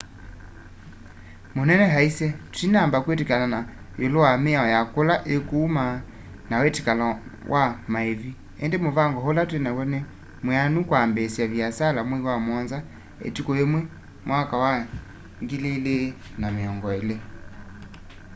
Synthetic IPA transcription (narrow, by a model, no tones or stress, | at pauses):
monɛnɛɦaisɛtu̥inambakwɛtikalana | jolɔwameaɔjakolaʔekuːma | nawɛtikalawʔamaɛvi | ɛndemovaŋɡɔhɔlatwɛnakwɛnɛ | mwɛanukwambɛsiaviasalamwiwamɔnza | ɛ̰tikɔemwɛ | mwakawa | ŋɡilelenameɔŋɡɔɛle